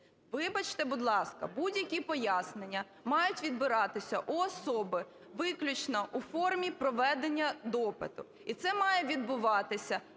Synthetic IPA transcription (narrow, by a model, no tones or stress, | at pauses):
ʋɪbɐt͡ʃt̪ɛbʊd̪lˠɑskɐ̰budʲjɐkʲipɔjasnenʲːɐ | mɑjʊtʲʋʲid̪bɪɾɑt̪ɪsʲɐʔuɔsɔbɪ | ʋɪklʲʊt͡ʃnɐʔufɔrmʲipɾɔʋɛd̪enʲːɐd̪ɔpɪ̰t̪ʊ | it̪sɛmɑjɛʋʲid̪bʊʋɑt̪ɪsʲɐ